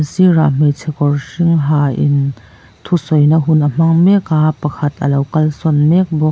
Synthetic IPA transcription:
sira̰ːm̥ɛt͡sʰɛkɔrsiŋɦaːʔin | t̪ʰusɔjnɐɦunʔəm̥ɐŋmɛkaːpɐkʰɐt̪ʰʔɐlɐwkɐlsɔnmɛk̚bɔk̚

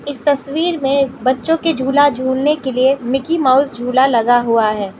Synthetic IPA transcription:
ɪst̪ɐswiːɾmẽbɐtːʃõked͡ʒʱuːlad͡ʒʱuːlnekeliemɪkimaʊzd͡ʒʱuːlalɐɡaɦuaɦɛː

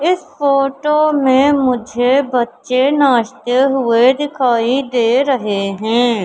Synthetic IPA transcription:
ɪsfoːʈomẽmʊd͡ʒʱebɐtːʃenaːʃt̪eɦʊed̪ɪkʰaːid̪eːɾɐɦeɦɛ̃ː

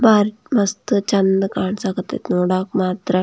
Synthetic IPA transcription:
baːɾ | mɐst̪ɨt͡ʃɐnd̪kaːɳsakɐt̪ḛt̪nuːɽakmaːt̪ɾɐ

